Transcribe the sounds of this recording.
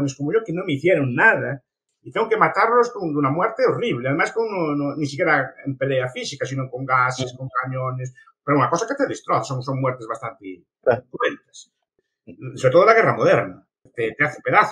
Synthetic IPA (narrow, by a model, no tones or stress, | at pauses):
neskomoʝokenõmeiθjeɾoŋnaða | it̪jeoŋkemat̪aɾnozðund̪unamwɛɾt̪eoriβ̞leaðemaskonononisikeɾaempeleafisikasinoŋkoŋɡaseskoŋkaɲones | peɾounakosaket̪eðest̪ɾoθsoŋsoŋmwɛɾt̪ezβast̪ant̪e | t̪went̪ḁs | soβɾet̪olaɣ̞eramoðɛɾna | t̪et̪eaθepeðaθ